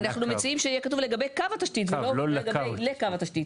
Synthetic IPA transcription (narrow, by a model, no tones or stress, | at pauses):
naχnumet͡siimʃeijekatuvle̞ɡabejkavat̪aʃtitveloeɡabejlekavat̪aʃtit̪